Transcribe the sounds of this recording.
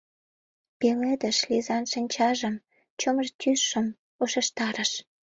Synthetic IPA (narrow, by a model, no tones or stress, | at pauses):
peled̪ə̆ʃlizɑnʃənʲt͡ɕɑʒəm | t͡ɕoməʒt̪ʲysːəm | oʃə̆ʃt̪ɑɾəʃ